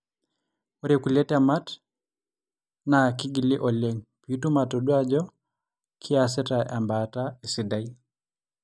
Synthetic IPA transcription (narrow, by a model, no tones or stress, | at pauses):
ɔɾekulɛtamat | nakiɡiliʔɔlɛŋpitumatɔɗuad͡ʒɔ | kʰias̬ɛtaʔambataesidaj